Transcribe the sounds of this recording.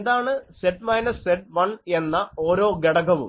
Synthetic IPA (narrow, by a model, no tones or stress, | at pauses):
nd̪aːɳɨseʈmɐjnɐsːeʈ̚ʋɐɳe̞nːɐo̞ːɾo̞ːɡeɽɐɡɐʋṵ